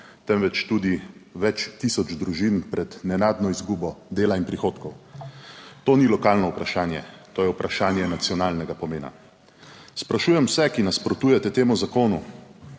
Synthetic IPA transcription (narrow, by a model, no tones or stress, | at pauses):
t̪ɛmʋɛt͡ʃt̪uːd̪iʋɛt͡ʃt̪isɔd͡ʒd̪ɾuʒinpɾɛd̪nɛnaːd̪nɔizɡuːbɔd̪eːlainpɾixoːt̪kɔw | t̪oːnilɔkaːlnɔupɾaʃaːnjɛt̪oːjɛupɾaʃaːnjɛnat̪siɔnaːlnɛɡapɔmeːna̰ | spɾaʃuːjɛmwsɛkinaspɾɔt̪uːjɛt̪ɛt̪eːmuzakoːnu